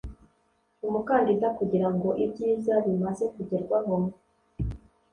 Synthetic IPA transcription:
umukaːndidakuɟiɾaŋɡo̞ʔibɟiːzaβimaze̞kuɟeɾɡwanomo

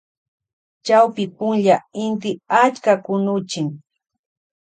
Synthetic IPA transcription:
t͡ʃawpɪpʊnʎaɪnt̪ɪat͡ʃkakʊnʊt͡ʃɪŋ

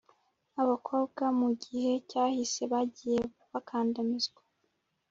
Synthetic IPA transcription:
aβakʰo̞ːbɡamuɟihe̞caːhise̞βaɟije̞ | βakʰaːndamizɡwḁ

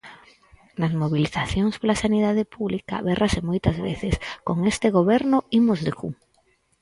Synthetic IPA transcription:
nɐzmoβ̞iliθaθjoŋspolasaniðaðepuβlika̰βɛrʔasemojt̪ɐzβḛθɪskoŋest̪ɪɣoβɛɾnʊimozðekṵ

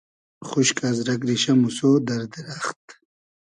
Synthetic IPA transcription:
χuɕkazɾɐkɾiɕamusod̪ɐɾd̪iɾaχt̪

